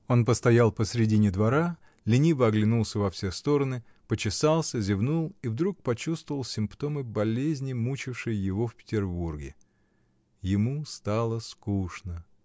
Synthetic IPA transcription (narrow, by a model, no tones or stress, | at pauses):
o̞npəst̪ɐjalˠpəsʲɾʲɪdʲinʲɪd̪vɐɾa | lʲɪnʲivəɐɡlʲɪnulˠsʲəvɐfsʲest̪o̞ɾənɨ | pət͡ɕɪsalˠsʲəzʲɪvnulˠivd̪ɾuk̚pɐt͡ɕust̪vəvəlˠsʲɪmpt̪o̞mɨbɐlʲezʲnʲɪmut͡ɕɪfʂɨjjɪvo̞fpʲɪ̥tʲɪrburɡʲɪ̰ | jɪmust̪alˠəskuʂnə